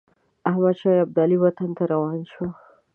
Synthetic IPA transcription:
ahmad̪ʃɑjab̚d̪ɑliwat̪ant̪aɾawɑnʃwa

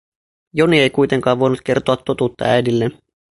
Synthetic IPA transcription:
jo̞nie̞jkujt̪e̞ŋkɑːʋʋo̞jnut̪ke̞rt̪oɑt̪ːo̞t̪uːt̪ːɑ̰æjdilːen

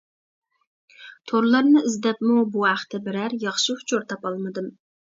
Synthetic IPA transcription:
t̪ʰoɾlˠɑɾnɨɪzd̪ɛpmubuæχt̪ʰɛbɪɾæɾjɑχʃɪhʊ̥t͡ʃʰoɾt̪ʰɑpɑlˠmɨd̪ɨm

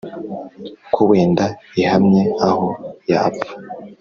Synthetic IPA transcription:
kʰuβweːndaihamɲeahojapḁ

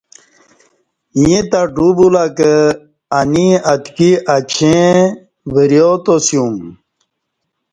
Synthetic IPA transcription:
iet̪aɖubulakə | aniət̪kiʔat͡ɕʰẽ | ʋəɾjot̪osijũm

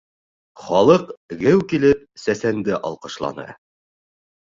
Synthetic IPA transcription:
χɒlˠɤqɡɘwkilɘp̚sæsænd̪ɘʔɑ̰lˠqɤ̆ʃlˠɑ̰nɤ̰

